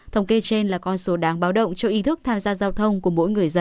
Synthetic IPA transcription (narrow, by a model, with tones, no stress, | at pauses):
t̪ʰə˧wŋ͡mke˧t͡ɕe˧nlaː˨˩kɔ˧nso˨˦ɗaː˨˦ŋɓaː˨˦wɗə̰˧˨wŋ͡mt͡ɕɔ˧wʔi˨˦t̪ʰɨ˦˥k̚t̪ʰaː˧mzaː˧zaː˧wt̪ʰə˧wŋ͡mku˧˩əmo̰˧˥jŋɨ˨˩əjzə˧